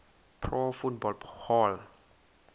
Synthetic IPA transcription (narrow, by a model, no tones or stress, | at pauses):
pʰɾɔfut̚bɔlhɔl